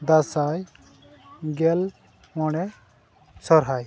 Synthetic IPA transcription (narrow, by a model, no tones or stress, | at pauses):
d̪asaj | ɡɛl | mɔɽ̃ɛ | sɔɾɦaj